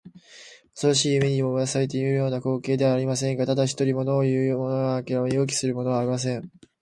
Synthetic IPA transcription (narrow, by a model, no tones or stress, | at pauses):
osoɾaɕiːɯmeɲ̟ʲimomot̪asaɾe̞t̪e̞jɯ̟ːjo̞ːnako̞ːke̞ːd̪e̞βaːɾʲimasẽ̞ŋɡat̪ad̪açi̥t̪o̞ɾʲimo̞d̪o̞ːjɯ̟ːmo̞noɡaːkeɾamɲio̞ːk̬ʲi̥sɨɾɯ̟mo̞no̞βaɾʲimas̬ẽ̞ɴ